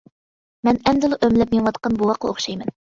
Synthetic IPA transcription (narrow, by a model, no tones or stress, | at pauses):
mɛnɛmd̪ɪlˠɨʔømlɛp̚meŋwɑt̪qɑnbuwɑqʰːɑoχʃɑjmɛn